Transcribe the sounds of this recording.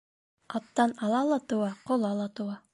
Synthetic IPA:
ɑp̚t̪ɑnɑlˠɑlˠɑt̪ŏwɑqŏlˠɑlˠɑt̪ŏwɑ

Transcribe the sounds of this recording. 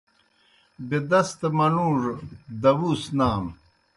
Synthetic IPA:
bed̪ɐst̪mɐnũːʐd̪ɐwuːsnaːm

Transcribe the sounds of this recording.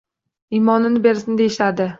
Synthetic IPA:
imɒnɪnɪbe̞ɾɪsɪnɪd̪ejɪʃad̪ɪ

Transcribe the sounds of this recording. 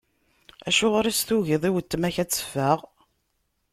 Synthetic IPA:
æʃʊʁɾæsθuʝiðˤiwət̪ːəmæçæt͡sːə̥fːæʁ

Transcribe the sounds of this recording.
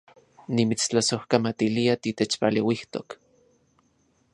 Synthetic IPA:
nimit͡st͡ɬasohkamat̪iliat̪it̪et͡ʃpalewiht̪o̰k

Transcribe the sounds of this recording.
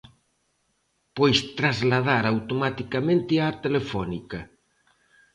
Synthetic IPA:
pojst̪ɾazlað̞aɾawt̪omat̪ikamẽnt̪ɪat̪elefɔnikɐ

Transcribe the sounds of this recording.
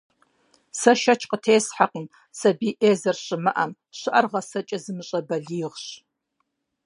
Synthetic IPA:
sɐʃɐt͡ʃʰqətʰeːsħaqən | sɐbiːʔeːzɐrɕʼɪmɨʔɐm | ɕɨʔɐrʁɐsɐt͡ʃʼɐzɨmɨɕʼɐbɐɮiːʁɕ

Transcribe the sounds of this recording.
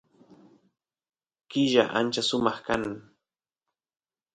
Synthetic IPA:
kɪʒa̰ʔa̰nt͡ʃasʊmɑχkanaŋ

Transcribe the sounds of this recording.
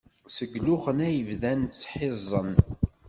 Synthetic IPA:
səɡlʊχənæjəvðænt͡sːħɪzˤːən

